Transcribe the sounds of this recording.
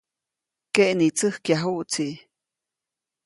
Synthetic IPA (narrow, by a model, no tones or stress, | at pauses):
keʔnit͡səhkjaɦuʔt͡siʔ